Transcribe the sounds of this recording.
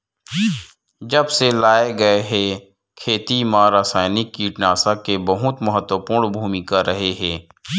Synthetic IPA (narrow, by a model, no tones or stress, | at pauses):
d͡ʒəbselaːeɡɐeɦɛ | kʰeːt̪imãːɾasaːɪnɪkːiʈnaːsakebəɦʊt̪məɦət̪wəpuːɾɳbʱuːmikaɾɐɦeɦɛ̃ː